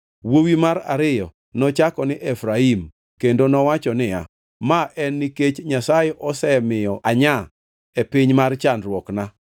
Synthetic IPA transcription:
wowimaɾaɾɪjɔ | nɔt͡ʃakɔnɪʔɛfɾaim | kendonɔwat͡ʃɔnɪja̰ | maʔɛnːiket͡ʃɲasajɛʔɔsɛmɪjɔaɲa | epɪɲmart͡ʃanɾwɔkna

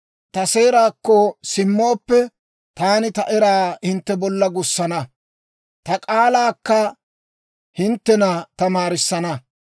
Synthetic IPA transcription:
t̪ɐse̞ːɾaːkːɔsɪmːo̞ːpːɛ | t̪aːnɪt̪ɐʔɛɾaːhɪnt̪ːɛbɔlːɐɡʊsːɐnɐ | t̪ɐkʼaːlaːkːɐ | hɪnt̪ːɛnɐt̪ɐmaːɾɪsːɐnɐ

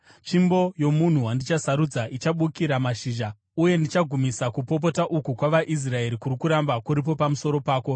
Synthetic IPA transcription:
t͡ʃimbo̞jo̞mun̤uwandit͡ʃasaɾud͡zaʔit͡ʃaɓukiɾamaʃiːʒa | uje̞ndit͡ʃaɡʱumisakupo̞p̬o̞taʔukukwaʋaʔis̬rae̞ɾikurikuɾambakuɾip̬o̞pamuso̞ɾo̞paːko̞

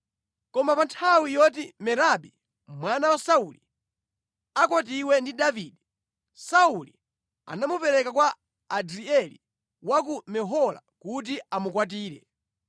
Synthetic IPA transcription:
kɔmapantʰawijɔt̬imɛɾaɓi | mwanawasauli | akwat̬iwɛndidaviːdɛ | sauli | a̰namupɛɾɛkakwaː | dɾiɛli | wak̬umɛɦɔla̰kut̬iamukwat̬iːɾɛ̰

